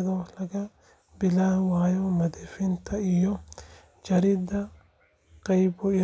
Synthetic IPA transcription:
d̪olɐɡɐ | bɪlawaːjɔmɐd̪ɛfɪnt̪ʰɐɪjɔ | d͡ʒɐɾɪd̪ɐ | qʼɐjbɔɪ

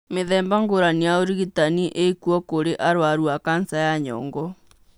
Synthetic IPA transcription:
meðɛːmbaŋɡoɾanijaoɾiɣitaniʔekuɔkoɾeʔaɾwaɾuakansajaɲɔ̰ːŋɡɔ

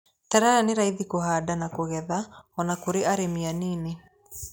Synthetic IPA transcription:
taɾaɾaneɾaiðikoɦadanakoɣɛðaɔnakoɾeaɾemianiːne

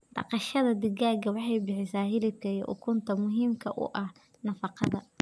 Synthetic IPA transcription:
d̪̥ɑ̰qɑʃɐðɐd̪ɪɣaːɡɐwɑħɑjbɪħɪsaːɦɪlɪb̚kʰɐijʔʊ̰kʰʊnt̪ʰɐmʊɦiːmkʰɐʔʊ̰ʔɐh | nɐfɑqɑðɐ

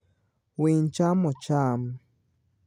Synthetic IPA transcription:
wint͡ʃamot͡ʃam

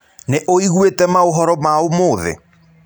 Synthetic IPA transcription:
neʔoiɣwetɛmaoɦɔɾɔmaomoːðḛ

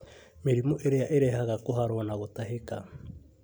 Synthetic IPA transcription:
meɾimoʔeɾejaʔeɾeɦaɣakoɦaɾwanaɣotaɦeka

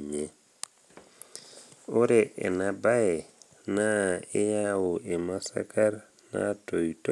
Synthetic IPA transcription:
ɲe | oɾeʔḛnabae | naejawoʔemasa̰kaɾ | na̰toito

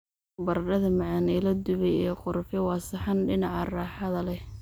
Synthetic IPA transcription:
bɐrɖɐðɐmɑʕɑnilɐd̪ʊβɛjɛqʊrfɪwɑːsɪħɑnɖɪnɑʕɑrɑːħɑðɐlɛ

